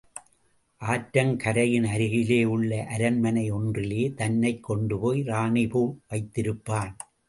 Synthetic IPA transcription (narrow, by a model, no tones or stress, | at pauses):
ʔaːʈɾɐmkɐɾɐjɪnɐɾɯɣɪleːɯɭːɐʔɐɾɐnmɐnɐɪɔndrɪleːt̪ɐnːɐɪkːɔɳɖɯpoːjɾaːɳɪpuːʋɐɪt̪ːɪɾɯpːaːn